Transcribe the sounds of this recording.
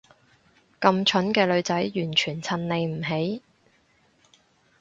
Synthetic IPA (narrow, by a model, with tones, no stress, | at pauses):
kɐ˧mt͡ʃʰɵ˨˥nkɛː˧lɵ˨˧ɥt͡sɐ˨˥jjyː˨˩nt͡ʃʰyː˨˩nt͡sʰɐ˧nle˨˧jm̩˨˩ɦe˨˥j